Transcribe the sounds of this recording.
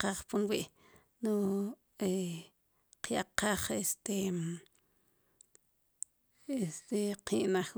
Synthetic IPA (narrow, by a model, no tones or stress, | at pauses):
qaχpunwiʔ | no | e | qjaqaχest̪e | est̪eqʰiʔnaχ